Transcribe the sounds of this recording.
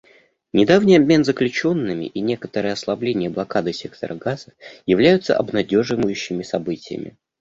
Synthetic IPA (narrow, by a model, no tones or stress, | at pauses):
nʲɪd̪avnʲijɐbʲmʲe̞nzəklʲʉt͡ɕo̞nːɨmʲɪ̰ʔinʲe̞kə̥t̪əɾɨjɐslˠɐblʲenʲɪjəblˠɐkad̪ɨsʲe̞k̚t̪ə̰ɾəɡaz̥əjɪvlʲæjʊt̪sə̰ʔɐ̰bnɐdʲo̞ʐɨvəjʉɕːɪmʲɪsɐbɨtʲɪjə̰mʲɪ̰